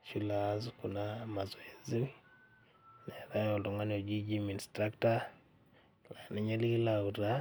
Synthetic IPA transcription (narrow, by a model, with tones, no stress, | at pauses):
t͡ʃi˦la˨zku˨nama˨zɔ˨ezi˦ | nɛ˨ɾa˦jo˨lo˨ŋa˦no˨d͡ʒi˦d͡ʒimi˨nstɾa˦kta˦ | la˨ni˦ɲe˦li˦lauɾa